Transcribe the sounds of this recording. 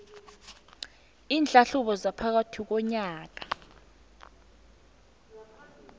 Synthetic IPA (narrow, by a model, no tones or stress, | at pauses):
iːnd͡ɮʱʼaɬuɓɔzapʰak̬atʰik̬ɔɲaːk̬a